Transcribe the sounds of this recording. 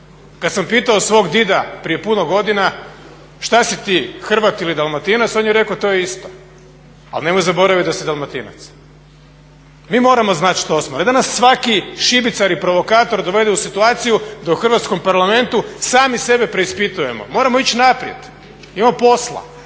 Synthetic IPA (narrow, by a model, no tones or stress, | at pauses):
kad̪sampiːt̪aosʋo̞ɡd̪id̪apɾije̞punoɡo̞d̪ina | ʃt̪asit̪iːxr̩ʋat̪ilid̪alˠmat̪inat̪sonjeɾekot̪o̞jeist̪o | a̰lne̞mojzabo̞ɾaʋit̪d̪asid̪almat̪ina̰t̪s | miːmo̞ːɾamo̞znat̪ʃt̪osmoɾad̪anasːʋakiʃibit̪saɾipɾo̞ʋo̞kaːt̪o̞ɾd̪o̞ʋe̞d̪eusit̪uaːt̪sijud̪auxr̩ʋat̪sko̞mpaɾlˠame̞nt̪usaːmise̞be̞pɾe̞ispit̪uje̞mo̰mo̞ːɾamoit͡ɕnapɾije̞̰d̪ | imamopo̞slˠa̰